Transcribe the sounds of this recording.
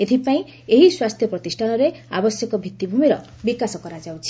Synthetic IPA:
et̪ʰipaĩ | eɦiswast̪ʰjɔpɾɔt̪isʈʰanɔɾea̰bɔsjɔkɔbʱit̪ːibʱumiɾɔ | bikasɔkɔɾad͡ʒawt͡ʃʰi̥

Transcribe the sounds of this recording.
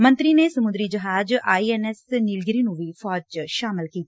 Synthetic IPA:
mɐ̃nt̪ɾinesɐmud̪ɾid͡ʒɐɦaːd͡ʒʔajenesnilɡiɾinuʋifʰaːd͡ʒʃaːmɐlkiːt̪

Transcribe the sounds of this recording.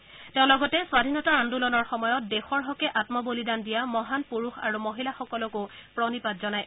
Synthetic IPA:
tɛʊ̃lɔɡɔtɛswadʱinɔtaandulɔnɔɹxɔmɔjɔt̚dexɔɹɦɔkɛʔatmɔbolidandijamɔɦanpuɹuxa̰ɹumoɦilaxɔkɔlɔkʊpɹɔnipatzɔnaj

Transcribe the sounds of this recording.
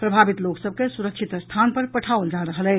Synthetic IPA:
pɾəbʱabit̪loksəb̚kesuɾəkt͡ʃʰit̪st̪ʰanpəɾpəʈʰaold͡ʒaɾəɦəlɛ

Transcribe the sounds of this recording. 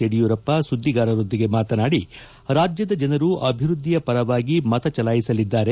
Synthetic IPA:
eɽijuːɾɐpːɐsud̪ʱːiɡaːɾɐɾo̞nd̪iɡe̞maːt̪ɐnaːɽi | ɾaːd͡ʒjɐd̪ɐd͡ʒɐnɐɾuʔɐbʱiɾud̪ʱːijɐpɐɾɐʋaːɡimɐt̪ɐt͡ʃɐlaːjisɐlid̪ːaːɾe

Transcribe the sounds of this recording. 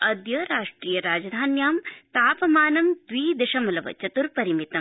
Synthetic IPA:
ɐd̪jɐɾaːʂʈɾiːjɐɾaːd͡ʒɐd̪ʱaːnjaːmt̪aːpɐmaːnɐmd̪̥ʋiːd̪ɐʃɐmɐlɐʋɐ̰t͡ʃɐt̪uɾpɐɾimit̪ɐm

